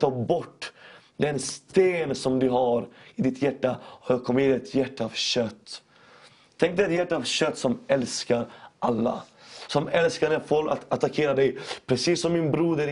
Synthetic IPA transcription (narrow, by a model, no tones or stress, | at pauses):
t̪ɑːbɔʈː | d̪ɛnst̪eːnsɔmd̪ɵɦaɾɪd̪ɪt̪ʰjæʈːaɔjɑkʰɔmːɪnɛt̪ʰjæʈːaɑvɕœt̪ː | t̪ʰɛŋk̚d̪ɛt̪jæʈːaɑvɕœt̪ːsɔmɛlskaɾʔalːa̰sɔmɛlskanɛfoːɾa̰t̪at̪ːakʰeːɾad̪ɛjpʰɾɛsiːsːɔmːɪnbɾuːd̪əɾ